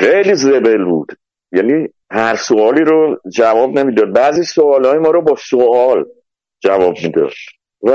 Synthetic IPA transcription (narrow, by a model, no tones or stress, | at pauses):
xejliːze̞belbṵːd̪̥ | jæniː | hæɾsoɒːliːɾod͡ʒævɒːbnemiːd̪ɒːd̪̚bæːziːsoɒːlɒːjemɒːɾobɒːsoɒːl | d͡ʒævɒːb̚miːd̪ɒ̰d̪̥ | v